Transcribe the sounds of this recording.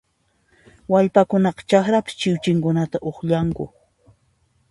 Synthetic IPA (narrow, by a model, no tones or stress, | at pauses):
waʎpakʊnɑqɑ̥t͡ʃakɾapɪ̥st͡ʃɪwt͡ʃɪŋkʊnat̪aʔoχʎaŋkʊ̰